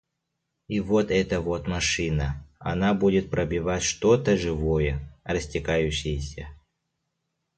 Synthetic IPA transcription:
ivot̪ɛt̪əvot̪mɐʂɨnəɐ̰nabudʲɪt̪̚pɾəbʲɪvatʲʂt̪ot̪əʐɨvojərəsʲtʲɪkajʉɕːɪjəsʲə

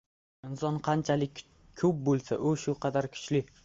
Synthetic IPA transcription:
ɪnsɒnqʰɑnt͡ʃʰalɪkʲ | kʰɵp̚bolˠsaʔʊʃʊqʰɑd̪aɾkʰʊ̥t͡ʃlɪ

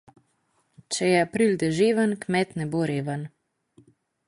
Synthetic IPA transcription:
t͡ʃɛjɛapɾild̪ɛʒeːʋənkmɛt̪nɛboɾeːʋən

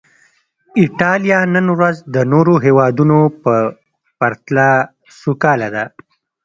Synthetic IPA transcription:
ɪʈɑlijɑnənɾazd̪ənoɾoɦewɑd̪unopə | paɾt̪la | sukɑlad̪a

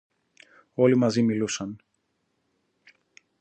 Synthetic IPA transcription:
o̞limɐzimilusɐn

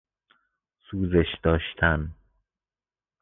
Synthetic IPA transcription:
suːzeʃd̪ɒːʃt̪ʰæn

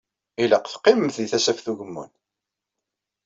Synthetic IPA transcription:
ilaqθqːɪməmθðiθæsæfθuʝəmːṵn

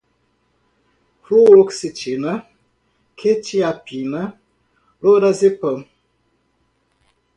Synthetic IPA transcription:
fuoksit͡ʃena | kʰet͡ʃiapina | loɾazepəm

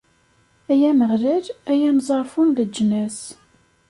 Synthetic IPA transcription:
æjæməʁlæɾæjænzˤɑɾˤfunðəd͡ʒːənæs

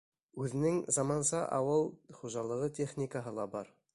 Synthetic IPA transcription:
ʉðɪ̆nɪŋzɑmɑnsɑʔɑ̰wɤlˠχuʒɑlˠɤʁɤt̪ʲʰeχnʲikaɦɤlˠɑbɑɾ

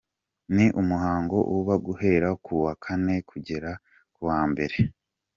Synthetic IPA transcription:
niʔumuhaːŋɡo̞ʔuβaɡuhe̞ːɾakuwakʰane̞kʰuɟe̞ɾa | kuwaːmbe̞ɾe̞

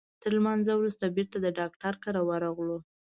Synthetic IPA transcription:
t̪əɾlmanzawɾust̪abiɾt̪ad̪əɖɑkʈaɾkaɾawəɾɑɣlo

